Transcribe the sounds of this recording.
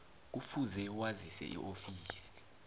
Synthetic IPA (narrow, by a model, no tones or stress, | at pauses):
k̬ufuzɛwazisɛ̰ʔḭʔofiːsi̥